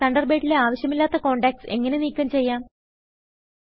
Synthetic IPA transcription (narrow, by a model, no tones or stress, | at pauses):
ɐɳɖɐrbe̞ːʈːileaːʋɐɕjɐmilːaːt̪ːɐko̞ːɳɖeːk̚ʈse̞̰ŋːɐne̞niːkʲːɐmt͡ɕe̞jːaːm